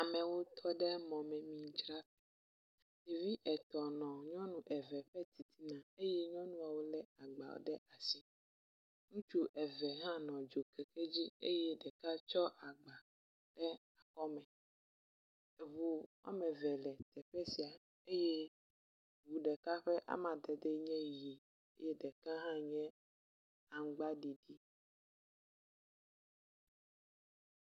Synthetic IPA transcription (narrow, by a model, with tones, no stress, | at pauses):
a˨mɛ̃˨wo˦t̪ʰɔ˦ɖɛ˦mɔ̃˨mɛ̃˨mĩ˨t͡ʃɾa˦tɛ˨ | te˨vi˦ʔɛ˨t̪ɔ˨nɔ̃˨ɲɔ̃˦nũ˦ʔɛ˨vɛ˨ɸɛ˦t̪i˨t̪ʰi˦nã˨e˦jɛ˦ɲɔ̃˦nũ˦a˨wo˦lɛ˦a˨ɡ͡ba̰˨wo̰˦ɖɛ˦ʔa˨si˦ | nũ˦t͡ʃu˦ʔɛ˨vɛ˨ɦã˦nɔ̃˨d͡ʒo˨kɛ˨ke˦d͡ʑi˦ḛ˦jɛ˦ɖɛ˨ka˦t͡ʃɔ˦ʔa˨ɡ͡ba˨ | ɖ̥ɛ˦ | a˨kɔ˦mɛ̃˨ | e˨βu˦wʔa̰˦mɛ̃˨vɛ˨lɛ˨t̪ɛ˨ɸe˦si˨a˨ | e˦jɛ˦ | wu˨ɖɛ˨ka˦ɸɛ˦ʔa̰˦mã˨d̪ɛ˨d̪e˦ɲɛ̃˦ji˨ | e˦jɛ˦ɖɛ˨kã˦ɦã˦ɲɛ̃˦ | a˨ŋ˦ɡ͡ba˦ɖi˨ɖi˦